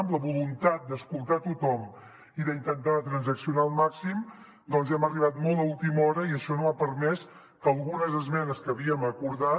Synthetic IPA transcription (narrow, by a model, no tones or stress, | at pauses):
mləβulunt̪at̪̚d̪əskulˠt̪at̪ut̪ɔm | iðəint̪ənt̪at̪ɾənzəksiunaəlˠmaksim | d̪ɔnzɛməriβ̞at̪mɔlˠd̪əulˠt̪imɔɾəiəʃɔnoapəɾmɛs | kəlˠɣunəzəzmɛnəskəβiəməkuɾða